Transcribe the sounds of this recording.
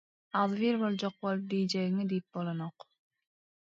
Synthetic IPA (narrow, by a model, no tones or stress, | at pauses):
ɑlˠviɾbolˠd͡ʒoq̚bolˠd̪ijd͡ʒɛɣiŋid̪ijip̚bolˠonoq